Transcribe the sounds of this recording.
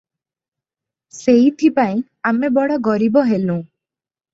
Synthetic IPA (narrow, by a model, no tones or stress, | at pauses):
seɦit̪ʰipaĩ | amebɔɽaɡɔɾibɔɦelũ